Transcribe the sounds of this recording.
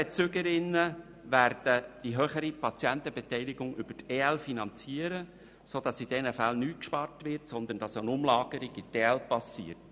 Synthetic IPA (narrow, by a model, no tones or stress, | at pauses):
ɛt͡sʏɡəɾɪnːə | ʋæɾd̥əd̥iɦœχəɾipɑt͡sjɛnt̪əbɛtɛɪlɪɡʊŋʔʏbəteɛlfinɑnt͡siəɾə | soːd̥ɑsid̥ɛnəfælnyːkʃpɑrtʋɪɾtsɔnd̪ənd̥ɑsənʊmlɑːɡ̥əɾiɡɪtɛɛlpɑsḭːəɾt